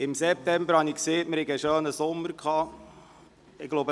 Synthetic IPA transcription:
ɪmsɛp̚t̪ɛmbəɾhɑnikseːtmɪɾhɛɡəʃøːnəsomːəɾkʰɑː | ɪɡ̥lowbə

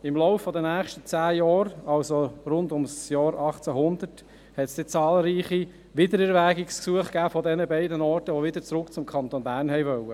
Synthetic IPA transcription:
ɪmlɔʊfːɔd̪ənæːχʃtət͡sæːjɑːɾɑlsoɾʊnd̪ʊmsjɑːɾɑχt͡sæɦʊnd̪əɾt | hɛtsd̥et͡sɑːlɾiːχi | ʋɪd̪əɾɛɾʋæɡɪksksuəχkæːfɔdɛnəbɛɪdənɔːɾtəʋoʋɪd̪ət͡sɾʊkt͡sʊmkʰɑnt̪onbæːɾnɦɛɪʋœwə

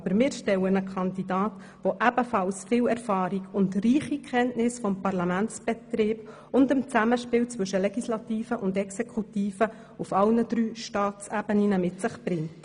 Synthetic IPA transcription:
bəɾmɪːɾʃtɛwənəkʰɑndidɑːt | ʋoʔæb̥əfɑlsfɪːwɛɾfɑːɾiɡʊntriːχikʰχɛntnɪsfɔmpɑɾlɑmænt͡sb̥ɛtɾɪːb | ʊndəmt͡sæməʃpɪːwt͡sʋɵʃəlɛɡislɑtiːfəʔʊndɛksɛkʰutiːfə | ufɑlnəd̥ɾyːʃtɑːt͡sæb̥əninəmɪtsɪχb̥ɾɪŋt

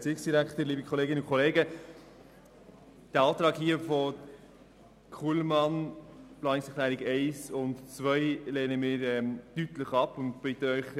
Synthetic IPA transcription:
t͡siksd̥iɾækχtəliːbəkʰχɔleːɡɪnəʊnkʰɔleːɡə | d̥əɑːt̪ɾɑːkɦiəfɔ | kʰulmɑnplɑːnɪksɛkʰlæːɾɪɡɛɪsʊntt͡sʋœʏleːnəmɪːɾɛmtytləχɑpʊntpɪt̪əœʏχ

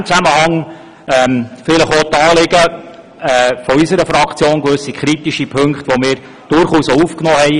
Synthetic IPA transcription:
mt͡sæməhɑŋ | ɛmfɪləχʋɔt̪əɑːlɪɡ̥ə | ɛfɔysəɾəfɾɑkt͡sjoːnkʋøsikχɾit̪iʃipʰɵŋkχt̪ʋomɪːɾ | d̥ʊɾχuːsoufknɔːhɛɪ

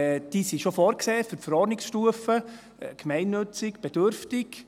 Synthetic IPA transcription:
d̥iːsiʃofoːɾkseːfyɾtfəɾɔɾnɪksʃtuəfə | kʰmɛɪnːɵt͡sɪkb̥ɛd̥øɾftɪk

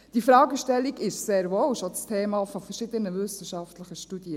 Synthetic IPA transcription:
d̥ifɾɑːɡəʃtɛlːiɡɪʃseːɾʋoːwʃɔt͡st̪ʰeːmɑːfɔfɛɾʃɪd̪ənəvʏsəʃɑft̪ləχəʃtud̥̪iə

